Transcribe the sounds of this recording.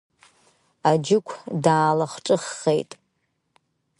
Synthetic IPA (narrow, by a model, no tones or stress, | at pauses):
ad͡ʒɪkʷʰdaːlaχʈ͡ʂʼɨχːejtʼ